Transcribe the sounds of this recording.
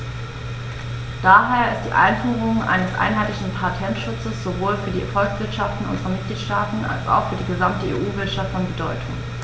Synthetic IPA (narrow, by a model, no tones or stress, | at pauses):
d̥aɦeːɐɪst̚d̥ḭːʔa̰ɪnfyːʁ̞ʊŋʔa̰ɪnəsʔa̰ɪnɦaɪtlɪçn̩pʰaɐtʰɛntʃʊt͡səsz̥ovoːlfyːɐdiːɛfɔlksv̥ɪɐtʃaftn̩ʔʊ̰nzəʁɐmɪt̚ɡ̥liːtʃtaːtn̩a̰lsa̰ʊxfyːɐdiːɡəzamtəḛːʔuːvɪɐtʃaftfɔnbədɔʏtʰʊŋ